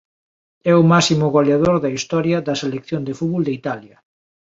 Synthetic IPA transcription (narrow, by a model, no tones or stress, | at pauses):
ɛʊmasimʊɣoljaðoɾðɐist̪ɔɾjɐðɐselekθjond̪efuβold̪eit̪aljɐ